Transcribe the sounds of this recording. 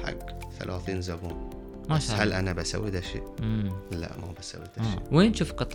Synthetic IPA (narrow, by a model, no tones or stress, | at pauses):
ħa̰ɡθa̰lʔaːθiːnzabuːn | maʃhalʔanabasawːid̪aʃḛːʔlːa̰ʔmabasawːid̪aʃḛːweːnʃuːfqɨt̪ˤ